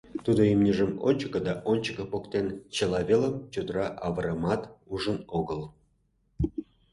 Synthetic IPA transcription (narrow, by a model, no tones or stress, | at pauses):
t̪ud̪oimnʲiʒəmonʲt͡ɕə̥kə̆d̪ɑʔonʲt͡ɕə̥kəpokt̪ent͡ɕelɑβeləmt͡ɕod̪əɾɑʔɑβəɾəmɑt̪uʒənoɣəl